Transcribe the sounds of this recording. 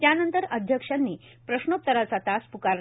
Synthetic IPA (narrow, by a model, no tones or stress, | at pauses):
t̪janənt̪əɾəd̪ʱjəkʂanːiː | pɾəɕɳop̚t̪əɾat͡sat̪aspukaɾ